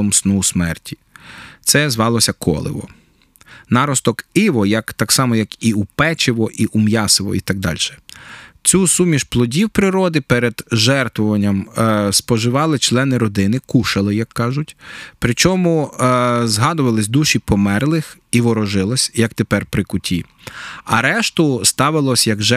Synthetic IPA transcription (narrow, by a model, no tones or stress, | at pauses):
ɔmsnusmɛrtʲi̥t̪sɛzʋɑlˠɔsʲɐkʰɔ̰lˠɪ̰ʋɔ̰ | nɑɾɔst̪ɔkɪʋɔjɐkt̪ɑksɑmɔjɐkiupɛt͡ʃɪʋɔʔiʔumjɑsɪʋɔ̰it̪ɑɡ̚d̪ɑ̰lʲʃɛ̥t͡sʲusumʲiʃplˠɔdʲiwpɾɪɾɔd̪ɪpɛɾed̪ʒɛrt̪ʋɔʋɐnʲːɐmspɔʒɪʋɑlˠɪt͡ʃlˠɛnɪɾɔd̪ɪnɪkuʃɐlˠɪjɐkːɑʒʊtʲpɾɪt͡ʃɔmʊ | zɦɑd̪ʊʋɐlˠɪsʲd̪uʃipɔmɛrlˠɪxiʋɔɾɔʒɪlˠɐsʲjɐkt̪epɛrpɾɪkʊtʲi | ɐɾɛʃt̪ʊst̪ɑʋɪlˠɔsʲjɐɡʒɛ